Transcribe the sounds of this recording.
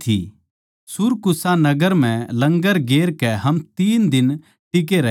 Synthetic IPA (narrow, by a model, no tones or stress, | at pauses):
t̪ʰḭ | sʊɾkʊsanɐɡəɾm̤ɛ̃lɐ̃ŋɡəɾɡeːɾkɛɦɐmt̪iːnd̪ɪn | ʈɪk̬eɾɐ